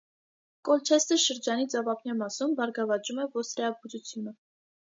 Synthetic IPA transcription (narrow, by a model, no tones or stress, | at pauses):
kɔlt͡ʃʰɛst̪əʃəɾd͡ʒɑnit͡sɑvɑpʰnɛmɑsumbɑɾɡɑvɑt͡ʃumɛvɔsɾɛɑbud͡ʒut͡sʰjunə